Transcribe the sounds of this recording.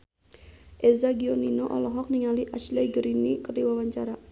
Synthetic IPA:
ʔezaɡioninoʔɔlɔɦɔk̚niŋaliʔat͡ʃleɡəɾinikərdiwawaɲt͡ʃaɾa

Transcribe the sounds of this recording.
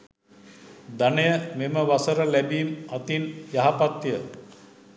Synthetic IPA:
d̪anəjəmeməʋasəɾəlæbiːmat̪injaɦapat̪jə

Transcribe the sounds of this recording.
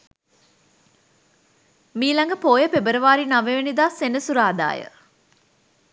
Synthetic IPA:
miːlaŋɡəpoːjəpebəɾəʋaːɾinaʋeʋenid̪aːsenəsuɾaːd̪a̰ːjə̰

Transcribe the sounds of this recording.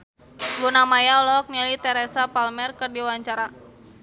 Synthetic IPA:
ɡunamajaɔlɔɦɔk̚nialit̪ɛɾɛsapalmɛrkɨrdiwaɲt͡ʃaɾa

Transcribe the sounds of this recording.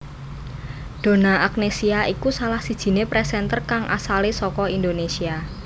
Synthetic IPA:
d̪̥o̤naʔak̚nesiaikusalahsid̥ʒ̥i̤nepɾɛsɛnt̪ərkaŋʔa̰salesɔkɔind̪onesia

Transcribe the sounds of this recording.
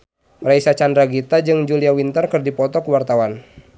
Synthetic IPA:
mɾaisat͡ʃandɾaɡit̪ad͡ʒɨŋd͡ʒuliawint̪ərkɨrdipɔt̪ɔkəwart̪awan

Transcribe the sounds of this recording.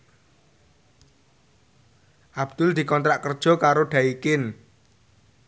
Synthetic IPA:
ʔab̥d̪̥ʊ̤ld̪̥i̤kɔnt̪ɾaʔkərd̥ʒ̥ɔ̤kaɾoɖ̥ä̤ikɪn

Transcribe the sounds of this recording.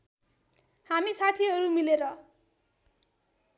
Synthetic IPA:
hamisat̪ʰiɦʌɾumileɾʌ

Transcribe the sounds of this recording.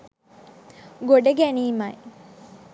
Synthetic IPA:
ɡoɖəɡæniːmɐj

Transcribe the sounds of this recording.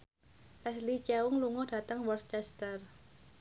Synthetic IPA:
lɛslit͡ʃawʊŋluŋɔd̥a̤t̪əŋwɔrst͡ʃɛst̪ər

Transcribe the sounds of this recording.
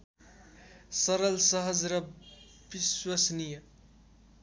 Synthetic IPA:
sʌɾʌlsʌɦʌd͡zɾʌ | biswʌsnijə

